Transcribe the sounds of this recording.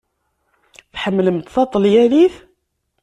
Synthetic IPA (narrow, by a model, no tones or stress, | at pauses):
θħəmːləmt̪θɑt̪ˤːəljæniθ